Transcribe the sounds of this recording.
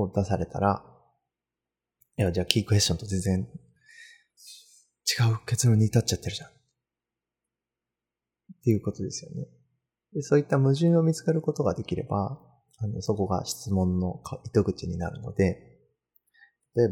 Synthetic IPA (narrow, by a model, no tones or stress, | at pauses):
oːd̪asaɾe̞t̪a̰ɾa | jad͡ʑaːkʲiːkɯ̟e̞s̬ɕo̞nt̪o̞ze̞nd͡zẽ̞n | t͡ɕi̥ɡaɯ̟ke̞t͡sɨɾõ̞ːɲ̟iːt̪at͡ɕːat̪ːe̞ɾɯ̟ʑãn | t̪e̞jɯ̟ko̞t̪o̞d̪e̞sɨjo̞̰ne̞ | d̪e̞so̞ːit̪ːamɯ̟ʑɨ̃ɰ̃o̞mʲit͡sɨ̥keɾɯ̟ko̞t̪o̞ɡad̪e̞kʲiɾe̞̰ba̰ | ano̞̰so̞ko̞ɡa̰ɕi̥t͡sɨmõ̞nːo̞kʰait̪o̞ɡɯ̟t͡ɕiɲ̟ina̰ɾɯ̟no̞̰d̪e̞ | t̪ḁt̪o̞eb